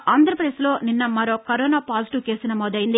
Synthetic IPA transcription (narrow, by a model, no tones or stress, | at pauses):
aːnd̪ɐɾɐpɐd̪eslo̞ːninːɐmɐɾo̞ːkɐɾoːnaːpaːziʈuke̞ːsinɐmoːd̪ɐjind̪i